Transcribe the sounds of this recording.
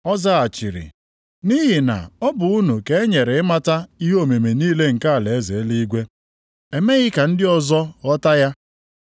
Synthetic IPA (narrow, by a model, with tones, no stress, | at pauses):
ɔ˦za˦a˨t͡ʃi˨ɾḭ˨ | ni˦ɦi˨na̰˨ɔ˦bʊ˨u˦nu˨ke˦e˦ɲe˨ɾe˨ɪ˦ma˦ta˦i˦ɦo˦˨me˨me˨niː˦le˦ŋ̩˨ka˦a˨le˨e˦ze˨˦li˦ɡʷe˦ | e˨me˦ɣɪ˦ka˨n̩˦dɪ˦ɔ˨zɔ˦ɔ˦ta˦ja˦